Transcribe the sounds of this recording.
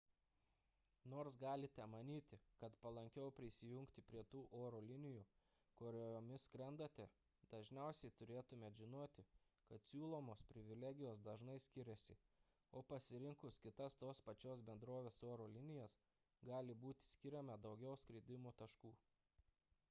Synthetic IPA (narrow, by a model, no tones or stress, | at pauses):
noːɾsɡɑːlʲɪt̪ʲɛmɐnʲiːt̪ʲɪkɐt̪pɐlˠɐŋʲkʲɛʊpʲɾʲɪsʲɪjʊŋʲkt̪ʲɪpʲɾʲiɛt̪uːʔoːɾoːlʲɪnʲɪjuː | koːɾʲɛjoːmʲɪskɾʲɛnd̪ɐt̪ʲɛ | d̪̥ɐʒʲnʲɛˑʊsʲɛɪt̪ʊɾʲeːt̪ʊmʲeːʒʲɪnoːt̪ʲɪkɐt̪sʲuːlˠoːmoːspʲɾʲɪʋʲɪlʲɛɡʲɪjoːsd̪ɐʒnɐɪsʲkʲɪɾʲɛsʲɪ | oːpɐsʲɪɾʲɪŋkʊskʲɪt̪ɐst̪oːspɐt͡ʃʲoːsbʲɛnd̪ɾoːʋʲeːsoːɾoːlʲɪnʲɪjɛs | ɡɑːlʲɪbuːt̪ʲɪ̥sʲkʲɪɾʲɛmɐd̪ɒʊɡʲɛʊskɾʲɪd̪ʲɪmoːt̪ɐʃkuː